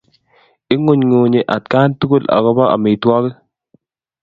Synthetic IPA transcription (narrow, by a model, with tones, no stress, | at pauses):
ɪ˦ŋo˨ɲŋo˨ɲe˨ʔa˨tka˦ntu˦ko˦la̰˨ɡɔ˦ba˦a̰˨mɪ˨twɔ˦kɪ˦